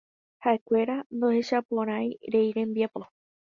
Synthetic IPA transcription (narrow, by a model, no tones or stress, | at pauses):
haʔe̞kʷe̞ɾand̪ohe̞ʃapõɾ̃ajɾe̞jɾẽ̞mbiapo